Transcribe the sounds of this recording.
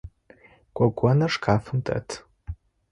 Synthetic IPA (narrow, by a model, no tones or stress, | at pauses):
kʷʼaɡʷanɐʂkʰaːfɨmtʰʼa̰tʰ